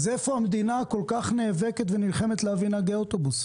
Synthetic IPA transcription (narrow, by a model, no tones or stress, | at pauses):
zefoamed̪inako̞lkaχneːveket̪venilχe̞me̞t̪leavinaɡeot̪obus